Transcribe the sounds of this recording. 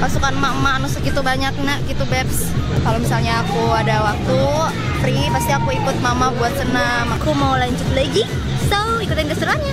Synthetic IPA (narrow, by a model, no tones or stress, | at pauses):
pasukanmaəmaːnusəkit̪ubaɲak̚naʔkit̪ubɛrs | kalomisalɲaːkuadawak̚t̪u | ɾipast̪iakuikʊt̪̚maəmabuat̪̚səna | makumaulaiɲt͡ʃut̪laɡi | so | ikut̪ɪnkəsəɾan